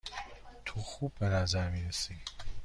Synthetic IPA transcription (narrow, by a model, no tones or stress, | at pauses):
t̪ʰoːxubːenæzæɾmiːɾesi